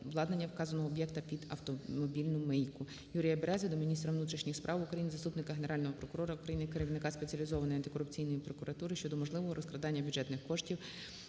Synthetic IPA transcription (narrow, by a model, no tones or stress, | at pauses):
ʋlˠɑd̪nenʲːɐwkɑzɐnɔɦɔːbjɛkt̪ɐpʲid̪ɐwt̪ɔmɔbʲilʲnʊmɛjkʊ | juɾʲijɐbeɾɛzɪd̪ɔmʲinʲist̪ɾɐʋnut̪ɾʲiʃnʲixspɾʔɑwʊukɾɐjinɪzɐst̪upnɪkɐɦeneɾɑlʲnɔɦɔpɾɔkʊɾɔɾɐʊkɾɐjinɪkeɾɪʋnɪkɑspet͡sʲiɐlʲizɔʋɐnɔjɐnt̪ɪ̥kɔɾʊpt͡sʲijnɔjipɾɔkʊɾɐt̪uɾɪʃt͡ʃɔd̪ɔmɔʒlˠɪʋɔɦɔɾʔɔsklˠɐd̪ɑnʲːɐbʲjʊdd͡ʒɛt̪nɪxkɔʃtʲiw